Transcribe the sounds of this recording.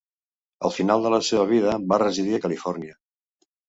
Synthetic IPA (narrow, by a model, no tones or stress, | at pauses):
ə̰lˠfinalˠd̪ələseβəβ̞iðəβarəzið̞iəkəlifɔɾniə